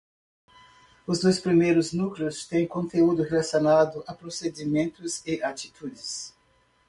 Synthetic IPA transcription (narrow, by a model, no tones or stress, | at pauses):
ʊzd̪ojspɾimejɾʊznuklɪʊst̪ẽj̃kõnt̪eud̪ʊhelasjonad̪ʊʔapɾosed͡ʒimẽnt̪ʊzɪʔat͡ʃi̥t̪ud͡ʒɪs